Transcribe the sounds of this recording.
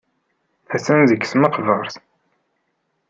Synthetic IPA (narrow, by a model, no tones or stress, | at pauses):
æsænzəkːsməqvəɾˤθ